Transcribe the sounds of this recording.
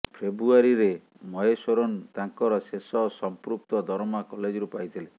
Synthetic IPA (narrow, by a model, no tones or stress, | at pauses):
pʰebɾuaɾiɾe | mɔɦesɔɾont̪aŋkɔɾɔsesɔsɔmpɾup̚t̪ɔd̪ʱɔɾmakɔled͡ʒɔɾupajt̪ʰile